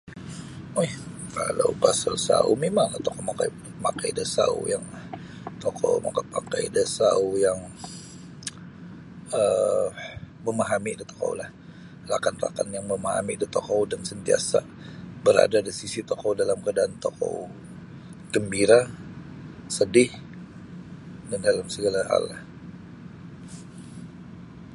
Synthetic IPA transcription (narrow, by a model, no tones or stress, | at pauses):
ojhkala̰wpasalsaṵmemaŋlat̪okowmakajbut̪̚ma̰kajdəsa̰ṵjaŋ | t̪okʰo̰wma̰kat̪̚pakajdəsaujaŋ | ə | məmaɦamiʔdət̪o̥ko̰wlah | ra̰kanra̰ka̰njaŋməmaɦa̰midət̪okowdansənt̪ia̰sa̰ | bəɾa̰dadəsisit̪okowdalamkadaːnt̪oko̰w | ɡ̥əmbiɾa | sədɪh | dandalamsəɡalaɦa̰lah